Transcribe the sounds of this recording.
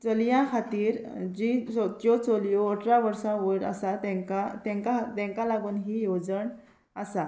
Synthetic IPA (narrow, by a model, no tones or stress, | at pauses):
t͡səljãkʰat̪iːɾd͡ʑisɔt̪jɔt͡sɔljɔɔʈɾaʋəɾsãʋəɾa̰sat̪ɛ̃kat̪ɛ̃ŋkat̪ɛ̃ŋkalaɡuːnɦiːjod͡zəɳ | əsa